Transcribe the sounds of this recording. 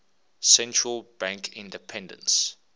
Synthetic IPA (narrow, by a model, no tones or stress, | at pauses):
sɛ̃ntɹəlˠbæ̃ŋkʰɪ̃ndəpʰɛ̃ndə̰̃ns